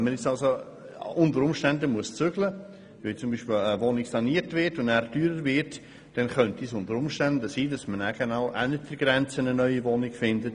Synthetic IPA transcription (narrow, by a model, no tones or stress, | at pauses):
ɛnmənjɛt͡sɑlzo | ʔʊntəɾʊmʃtɛndəmuəst͡søɡ̥lə | viːt͡sʊmbiːʃpɪləvonɪksɑniːəɾtvɪɾtʊndæːɾtyːɾəɾvɪɾt | d̥ɛnχœntisʊntəɾʊmʃtændəsiːdɑsmənæɡ̥enaʊʔænət̚d̥əɾɡɾɛnt͡sənənœʏivonɪkfɪndət